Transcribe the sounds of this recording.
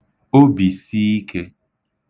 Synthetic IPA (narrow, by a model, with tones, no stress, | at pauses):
o˦bi˨si˦i˦kʰe˦